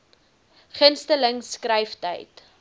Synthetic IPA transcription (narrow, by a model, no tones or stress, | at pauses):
χənstələŋskrəjftə̰jt